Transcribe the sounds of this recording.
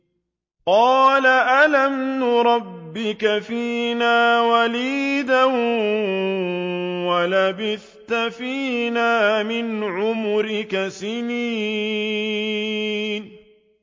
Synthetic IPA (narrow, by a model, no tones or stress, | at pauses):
qɑːlaʔalamnʊɾˤɑbːɪkafiːnaːwaliːd̪an | walabɪθ | t̪afiːnaːmɪnʕʊmʊɾɪkasɪniː | n